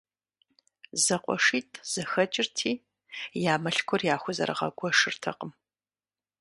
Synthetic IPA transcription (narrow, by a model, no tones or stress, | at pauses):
zɐqʷʼɔ̰ʂiːtʼʰz̥ɨxɐt͡ʃʼɪrtʰiː | jaːmɐɬkʷʰɔrjaːxʷʊzɐ̰ɾɨ̰ʁɐ̰ɡʷɔʂɨrtʰɐ̰qəm